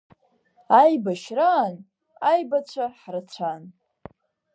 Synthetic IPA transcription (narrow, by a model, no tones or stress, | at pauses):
ajbaʃraːn | ajbat͡ɕʷʰaħrɨt͡ɕʷʰan